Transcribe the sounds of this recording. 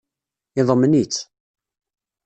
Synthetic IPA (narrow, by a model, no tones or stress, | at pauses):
ɪðˤəmənit͡sː